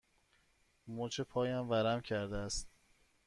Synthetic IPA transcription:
mot͡ʃʰepʰɒːjæmvæɾæmcʰæɾd̪eæst̪

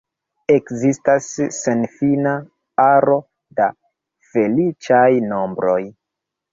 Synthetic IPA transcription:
e̞kzistasːenfina | aɾo̞ | da | fe̞lit͡ʃajno̞mbɾo̞j

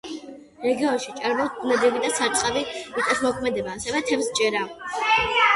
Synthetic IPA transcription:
ɾɛɡiɔnʃit͡ʃʼaɾmɔt̪nɛd̪ibid̪asaɾt͡ʃʼqʼaviit̪ʼɛt̪ʰmɔkʰmɛd̪ɛbaːsɛvɛt̪ʰɛmst͡ʃʼɛɾa

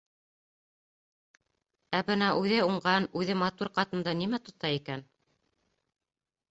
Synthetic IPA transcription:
æbɘnæʔʉðɘuɴɢɑnʉðɘmɑt̪uɾqɑt̪ɤ̆nd̪ɑnimæt̪ŏt̪ɑikæn

